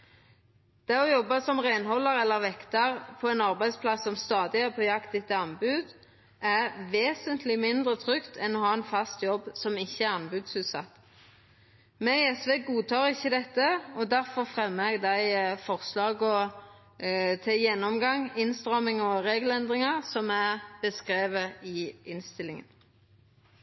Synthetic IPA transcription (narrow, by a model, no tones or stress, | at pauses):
d̪̥ɛʁɔjɔbːɑsɔmʁænhɔlːəɾɛlːəʁʋɛkt̪əʁpʰɔɛnɑɾbæɪspʰlɑsːɔmst̪ɑːd̪ɪæʁpʰɔjɑkt̪ɪt̪ːɑnbʉːd̪ | ʔæʋeːsənt̪ʰlɪmɪnd̪ʁət̪ʰʁʏkt̪ʰɛnːɔhɑːɛnfɑst̪jɔbːsɔmɪçːəæʁɑnbʉːd̪sʉːt̪sɑ̰t̪ː | mɛɛsʋeːɡuːt̪ʰɑːʁɪçːəd̪ɛt̪ːəɔd̪æɾfɔʁfʁɛmɛɡd̪æɪfɔʁslɑːɡɔ | t̪ʰɪjɛnːɔmɡɑŋɪnst̪ʁɑmɪŋɔʁeːɡəl̩ɛnd̪ʁɪŋɑʁsɔmæʁb̥əskʁeːʋəɪɪnst̪ɪlːɪŋən